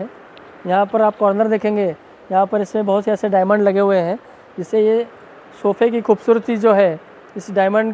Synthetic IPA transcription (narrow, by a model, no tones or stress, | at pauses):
jɐɦãpɐɾaːp̚kɔːɾnəɾd̪eːkʰẽːŋɡeː | jɐɦãpɐɾɪsmẽbɐɦʊt̪seɛːseɖaːɪmə̃ɳɖlɐɡeɦʊeɦɛ̃ː | d͡ʒɪsːeje | soːpʰek̬ixuːbsuːɾət̪id͡ʒoːɦɛː | ɪsɖaːɪmə̃ɳɖ